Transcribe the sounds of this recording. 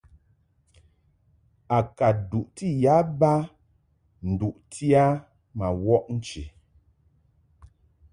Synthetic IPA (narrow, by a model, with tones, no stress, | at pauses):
a˨ka˨du˨ʔti˦ja˨˦ba˦ | n̩˨du˨ʔtʰi˦a˦ | ma˨wɔ˦ʔn̩˦t͡ʃḭ˨